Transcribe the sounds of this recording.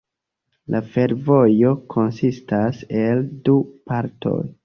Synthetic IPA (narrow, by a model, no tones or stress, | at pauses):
lʔafe̞ɾvo̞jo̞kʰo̞nsistase̞ldupaɾtʰo̞̰j